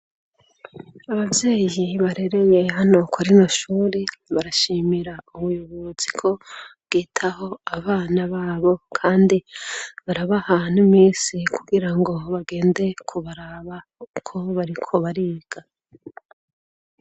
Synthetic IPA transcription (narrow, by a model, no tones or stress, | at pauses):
aβavje̞ːjiβaɾe̞ɾe̞je̞ɦano̞kwaɾinoʃuːɾeβaɾaʃimiɾauβujuβuzikʰo̞βɡ̥iːtʰaho̞aβaːnaβaːβo̞kʰaːndiβaɾaβahan̥umiːsikʰuɡiɾaŋɡo̞βaɡe̞ːnde̞kʰuβaɾaβa | kʰo̞βaɾikʰo̞βaɾiːɡ̥a